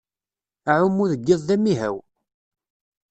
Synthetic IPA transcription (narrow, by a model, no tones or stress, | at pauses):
ʕʊmːʊðəɡːɪðˤðæmːiɦæ̰w